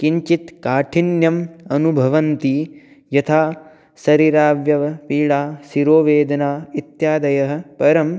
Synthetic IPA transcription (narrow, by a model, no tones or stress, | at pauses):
kiɲt͡ʃit̪kaːʈʰinjɐmɐnubʱɐʋɐnt̪i | jɐt̪ʰaː | sɐɾiɾaːʋjɐʋɐpiːɭaːsiɾoːʋeːd̪ɐnaːit̪jaːd̪ɐjɐɦɐ̆pɐɾɐm